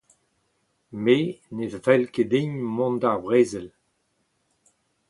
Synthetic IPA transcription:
menezvɛlked̪ẽɲmɔ̃ndaʁbʁeːzɛl

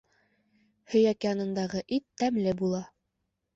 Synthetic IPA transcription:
hɵ̆jækɘjɑnɤ̆nd̪ɑʁɤʔit̪ːæmlɘbulˠɑ

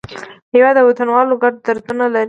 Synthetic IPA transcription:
hawɑd̪əwat̪anwɑloɡaɖ̚d̪aɾd̪unalaɾi

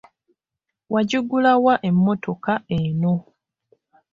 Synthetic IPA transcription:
wʔaɟuɡulawaʔe̞mːo̞to̞kaeno̞

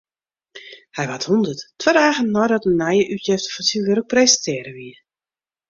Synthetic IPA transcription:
hɛjʋathundəttːʋɛdaːɣənːɔjdɔtənːɛjəʔytjɛftə̥fɔnsiʋøɾək̚prejzəntʰɪːəɾəʋiə

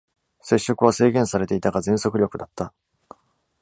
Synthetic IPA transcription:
se̞ɕːo̞kɯ̟β̞ase̞ːɡẽ̞ɰ̃saɾe̞t̪e̞it̪aɡazẽ̞ɰ̃so̞kɯ̟ɾʲo̞kɯ̟d̪at̪ːa

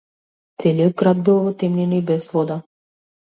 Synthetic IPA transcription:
t̪sɛliɔd̪̚ɡɾad̪̚bilˠɔvɔt̪ɛmlʲinibɛzvɔd̪a

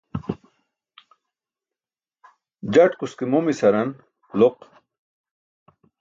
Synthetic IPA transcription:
d͡ʑɐʈkuskimomisɐɾɐn | loq

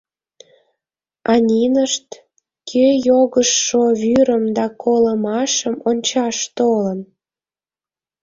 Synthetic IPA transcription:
ɑnʲinəʃt̪ | kʰøjoɣəʃːoβyɾəmd̪ɑkʰoləmɑʃəmonʲt͡ɕɑʃt̪olən

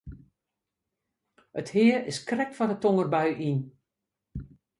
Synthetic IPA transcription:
əthɪərɪskrɛkfɔndətoŋərbœɥʔin

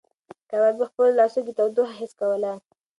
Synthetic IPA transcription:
kawabixpəllɑsud̪ət̪awd̪ohaɦɪskawəla

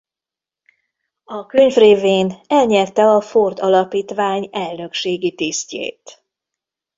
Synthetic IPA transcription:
ɒkøɲvreːveːnɛlɲɛrt̪ɛɒford̪ɒlɒpiːt̪ʋaːɲɛlnø̞kʃeːɡit̪iscḛːt̪

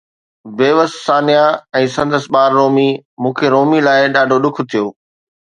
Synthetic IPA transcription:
ʋeːʋəssaːnijaɛ̃ːsɐ̃nd̪əsɓaːɾːoːmimũːkʰeɾoːmilaːɪɗaːɖʱoɗʊk̆ʰt̪ʰijoː

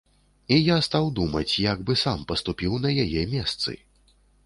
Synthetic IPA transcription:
ijast̪awd̪umɐt͡sʲjaɡbɨsampɐst̪upʲiwnɐjajɛmʲɛst̪sɨ̰

